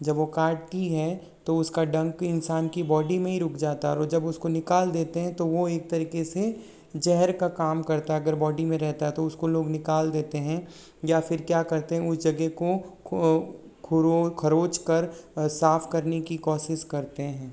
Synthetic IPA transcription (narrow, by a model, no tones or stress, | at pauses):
d͡ʒɐbʋokaːʈ̚t̪iɦɛ | t̪oʊskaɖɐ̃ŋkɪnsaːnkibɔːɖimẽɦiɾʊkʰd͡ʒaːt̪aɦɛɔɾɔːɾd͡ʒɐbʊskonɪkaːld̪eːt̪eɦɛ̃t̪oʋoeːk̚t̪ɐɾiːkese | d͡ʒɛɦɛɾkakaːmkɐɾt̪aɦɛɐɡəɾbɔːɖimẽɾɛɦt̪aɦɛt̪oʊskoloːɡnɪkaːld̪eːt̪eɦɛ̃ | jafɪɾkjaːkɐɾt̪eɦɛ̃ʊsd͡ʒɐɡeko | kʰʊɾokʰɐɾoːt͡ʃkɐɾsaːfkɐɾnekikɔːʃɪʃkɐɾt̪eɦɛ̃ː